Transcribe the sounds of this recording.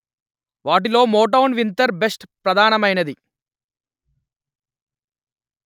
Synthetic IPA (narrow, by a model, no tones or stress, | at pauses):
ʋaːʈ̬ilo̞ːmoːʈ̬ɐwnʋint̪ɐɾbesʈpɾɐd̪ʱaːnɐmɐjnɐd̪i